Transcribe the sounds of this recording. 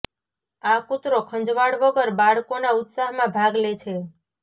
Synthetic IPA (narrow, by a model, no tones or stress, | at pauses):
akʊt̪ɾokʰə̃ɲd͡ʒʋaɽʋəɡəɾbaɭkonaʊt̪saɦmãbʱaɡlet͡ʃʰe